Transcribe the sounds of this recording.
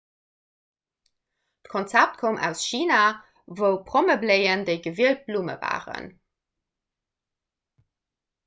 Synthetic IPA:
tkʰont͡sæp̚t̚kʰomæ̰ʊsʃiːna | vəʊpʁoməbleɪəndeɪɡəviəlt̚b̥lumə̰va̰ːʁə̰n

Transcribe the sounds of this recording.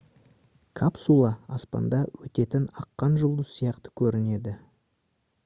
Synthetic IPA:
kʰapsulˠɑɑspɑ̰nd̪ɑwɵt̪e̞t̪ɪnɑqːɑnʒʊlˠd̪əsːijɑqt̪ə̥kʲʰɵɾɪne̞d̪ɪ

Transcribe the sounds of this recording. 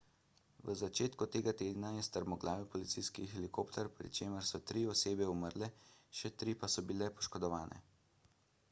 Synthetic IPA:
ʋəzat͡ʃeːt̪kut̪eːɡat̪eːd̪najɛst̪əɾmɔɡlaːʋɛpɔlit̪sijskixɛlikoːpt̪ɛɾpɾḭt͡ʃeːməɾsɔt̪ɾiɔseːbɛuməɾlɛʃɛt̪ɾiːpasɔbilɛpɔ̥ʃkɔd̪ɔʋaːnɛ̰

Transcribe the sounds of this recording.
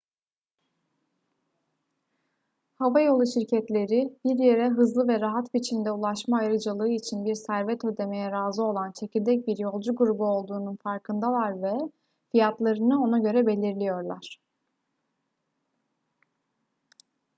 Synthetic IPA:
havajo̞lˠuʃiɾcʰɛt̪lʲe̞ɾib̥iɾje̞ɾɛɦɯzlˠɯvɛɾaɦat̪bit͡ʃʰind̪ɛulˠaʃmaːjɾɯd͡ʒalˠɯːit͡ʃʰinbiɾsæɾvɛt̪ʰø̞d̪e̞me̞jɛɾaːzɯo̞lˠant͡ʃʰe̞cilʲd̪ɛc̚biɾjo̞lˠd͡ʒuɡuɾubuo̞lˠd̪uːnunfaɾkʰɯnd̪alˠaɾvɛ | fijat̪lˠaɾɯnɯo̞naɟø̞ɾɛbe̞lʲiɾlʲijo̞ɾlˠaɾ̥

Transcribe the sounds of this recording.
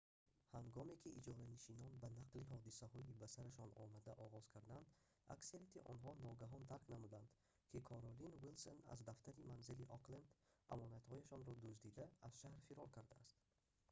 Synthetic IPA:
haŋɡɔme̞kʰiʔid͡ʒɔɾaniʃinɔnbanaqliɦɔd̪isahɔibæsaɾaʃɔnɔmad̪æʔɔʁɔz̥kʰaɾd̪ænd̪ | a̰kseɾat̪ʰiʔɔnɦɔnɔɡaɦɔnd̪aɾknamud̪and̪ | kʰikʰɔɾɔlinwilsona̰zd̪aft̪ʰaɾimanziliʔɔqlend̪ʔa̰mɔnat̪hɔjaʃɔnɾɔd̪usd̪id̪æːz̥ʃahɾfiɾɔɾkʰaɾd̪aːst̪

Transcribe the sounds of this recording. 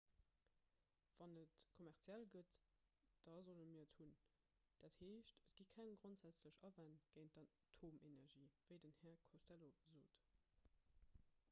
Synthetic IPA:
v̥ɑnətkʰomæʁt͡sjælɡətd̥ɑzolənmiːɐthun | d̥ætheːʃtət̚ɡ̥ikʰæŋɡʁontz̥æt͡sləʃɑvænɡ̥əɪntdɑ | tʰoːmenæʁʒiːv̥əɪdənhɛːɐkʰostæloəzoːt

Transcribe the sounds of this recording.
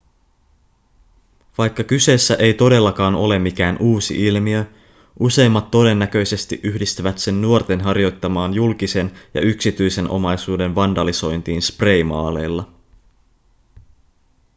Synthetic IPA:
ʋɑjkːɑkyse̞ːsːæʔe̞jt̪o̞de̞lːɑkɑːno̞̰le̞mːik̟æːnʔuːsḭʔilmiø | ʔuse̞jmːɑt̪ːo̞de̞nːækø̞jse̞st̪iʔyhdist̪yʋæt̪se̞nːuort̪e̞nɦɑrjo̞jt̪ːɑmɑːnjulk̟ise̞njɑ̰yksit̪yjse̞nʔo̞̰mɑjsuːde̞nʋɑndɑliso̞jnt̪iːnspre̞jmɑ̰ːle̞jlːɑ

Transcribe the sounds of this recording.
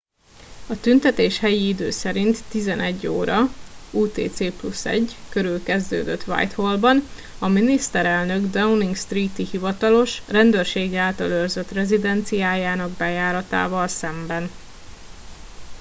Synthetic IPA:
ɒt̪ynt̪ɛt̪eːʃhɛjiid̪øːsɛɾint̪ːizɛnɛɟːo̰ːɾɒuːt̪ḛːt̪seːplusɛ̰ɟkø̞ɾylkɛzd̪ø̰ːd̪øt̪ʋa̰jt̪holbɒn | ɒminist̪ɛɾɛlnø̞ɡd̪auniŋɡst̪riːt̪ihivɒt̪ɒlo̞ʃrɛnd̪øːrʃeːɡiaːlt̪ɒlørzø̞t̪rɛzid̪ɛnt̪sijaːjaːnɒɡbɛjaːɾɒt̪a̰ːvɒlsɛmbɛn

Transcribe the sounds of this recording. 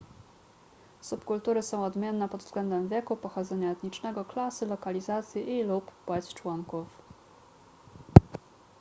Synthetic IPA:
supkult̪uɾɘsɔ̃w̃ɔd̪mʲjɛnːɛpɔd̪vz̥ɡlɛnd̪ɛmvʲjɛkupɔxɔd̪zɛɲaɛt̪ɲit͡ʂnɛɡɔklasɘlɔkalʲizat̪sʲjiʔiluppwɛt͡ɕt͡ʂwɔŋkuf

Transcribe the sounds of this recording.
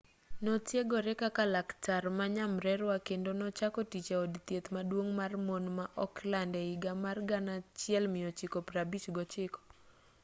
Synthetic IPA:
nɔtjeɡɔɾɛkakalaktarmaɲamɾɛɾwakendonɔt͡ʃakɔtit͡ʃaodt̪jet̪madwoŋmarmonmaʔɔklandɛɪɡamarɡanat͡ʃɪɛlmɪjɔt͡ʃɪkopɾabit͡ʃɡɔt͡ʃɪkɔ̥

